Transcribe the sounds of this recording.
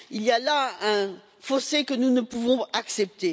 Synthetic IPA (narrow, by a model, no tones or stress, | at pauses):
iljalaɛ̃ | fosekənunəpuvɔ̃aksɛp̚t̪e